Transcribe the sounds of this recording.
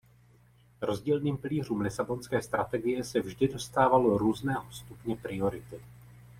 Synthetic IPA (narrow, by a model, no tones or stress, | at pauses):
ɾo̞zɟiːlniːmpɪliːr̝uːmlɪsabo̞nskɛːst̪ɾat̪ɛɡɪjɛsɛvʒdɪdo̞st̪aːvalo̞ɾuːznɛːɦost̪upɲɛpɾɪo̞ɾɪt̪ɪ